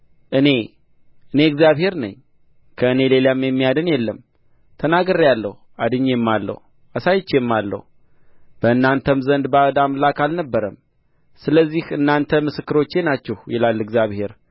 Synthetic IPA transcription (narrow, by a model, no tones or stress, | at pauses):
ʔɨne̞ | ʔɨne̞ɨɡzijaβhe̞ɾnɨ̰ɲ | kʰəɨne̞le̞lamjɛmːijad̪ɨnjɛlːəm | t̪ʰənaɡəɾjalːəh | ad̪ɨɲːemːalːə̰h | asajɪt͡ʃːemːalːə̰hu | b̥əɨnːant̪ʰəmzənd̪bad̪amlakalnəbːəɾəm | sɨləzːihɨnːant̪ʰəmɨsɨkːɨɾo̞t͡ʃːe̞nat͡ʃːɛhjɛlalːɨɡzijaβhe̞ɾ